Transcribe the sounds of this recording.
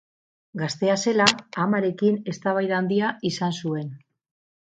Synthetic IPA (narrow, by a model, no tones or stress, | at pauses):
ɡast̪e̞ase̞laːmaɾe̞kine̞st̪aβajðand̪iaisansue̞n